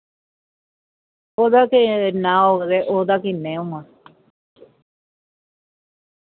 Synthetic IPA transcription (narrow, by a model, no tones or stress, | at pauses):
oðakenãoðeʔod̪akinẽomã